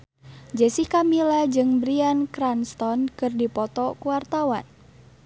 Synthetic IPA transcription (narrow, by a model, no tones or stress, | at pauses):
d͡ʒəsihkamilad͡ʒɨŋbɾiankɾanst̪ɔnkɨrdipɔt̪ɔkuwart̪awa̰n